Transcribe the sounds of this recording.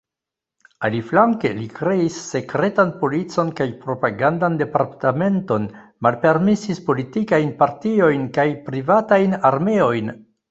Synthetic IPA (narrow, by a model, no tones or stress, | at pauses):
aliflaŋke̞likɾe̞isːe̞kɾe̞tanpo̞lit͡so̞nkajpɾo̞paɡandande̞paɾtame̞nto̞nmalpe̞ɾmisispo̞litikajnpaɾtio̞jnkajpɾivatajnaɾme̞o̞jn